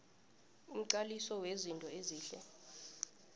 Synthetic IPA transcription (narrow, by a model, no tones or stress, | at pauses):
um̩ǀalisɔwezintʼɔeziːɬɛ̰